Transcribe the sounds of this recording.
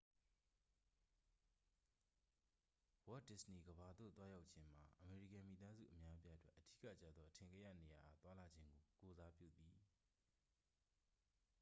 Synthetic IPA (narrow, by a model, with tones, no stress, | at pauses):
wɔ˦dɪ˦sni˨ɡəba˨d̪o̰˦˨t̪wa˦ja˦ʊʔt͡ɕʰɪ̃˦m̥a˨ʔəme˨ɹḭ˦˨kã˨mi˨t̪a˦zṵ˦˨ʔəmja˦ʔəpja˦ʔətwɛ˦ʔəd̥ḭ˦˨kä̰˦˨t͡ɕä̰˦˨d̪ðɔ˦ʔətʰɪ̃˨ŋɡɛ˦˨ja̰˦˨ne˨ja˨ʔa˨t̪wa˦la˨d͡ʑɪ̃˦ŋɡo˨ko˨za˦pjṵ˦˨t̪i˨